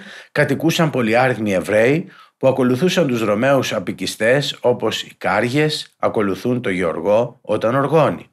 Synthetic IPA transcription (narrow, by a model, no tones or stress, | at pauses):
kɐt̪ikusɐmpo̞liɐɾiɣnie̞vɾe̞ipuɐko̞luθusɐnt̪uzɾo̞me̞usɐpicist̪e̞so̞po̞sikɐɾʝe̞sɐko̞luθunt̪o̞ʝeo̞ɾɣo̞ot̪ɐno̞ɾɣo̞nḭ